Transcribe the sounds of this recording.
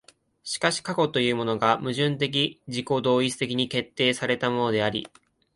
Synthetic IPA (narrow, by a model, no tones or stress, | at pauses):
ɕi̥kaɕi̥kako̞t̪o̞jɯ̟ːmo̞no̞ɡamɯ̟ʑɨ̃nt̪̬e̞k̬ʲid͡ʑiko̞d̪o̞ːit͡sɨ̥t̪e̞kʲiɲ̟ike̞t̪ːe̞ːsaɾe̞t̪amo̞no̞d̪e̞aɾʲḭ